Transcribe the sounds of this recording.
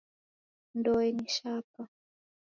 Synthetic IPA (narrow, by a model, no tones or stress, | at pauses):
ndɔɛniʃapa